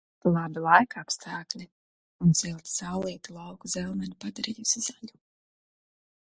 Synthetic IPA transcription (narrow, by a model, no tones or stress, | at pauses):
t̪lˠabilˠajkapst̪ʰaːklʲi | unz̥ilˠt̪sawlˠiɛt̪ulˠawkuzɛlˠmɛnipad̪aɾijusiz̥aʎʲu